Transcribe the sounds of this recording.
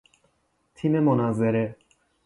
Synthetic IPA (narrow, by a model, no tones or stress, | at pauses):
t̪ʰimemonazeɾe